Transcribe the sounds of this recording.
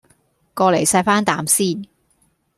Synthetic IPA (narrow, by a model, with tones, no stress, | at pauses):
kɔː˧le˨˩jsɐ˧jfaː˥nt̪aː˨˥msiː˥˩n